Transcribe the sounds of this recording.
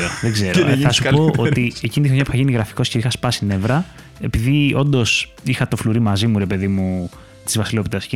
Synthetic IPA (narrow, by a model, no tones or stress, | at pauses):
ɾoðeɡze̞ɾnθɐsupoʔʔot̪ie̞cinit̪xɾoɲɐpu̥θɐʝiniɣɾɐfi̥ko̞sceixɐspɐsine̞vɾɐ | e̞piðio̞nd̪o̞s | ixɐt̪o̞fluɾimɐzimuɾe̞pe̞ðimu | t̪izvɐsilo̞p̪it̪ɐsi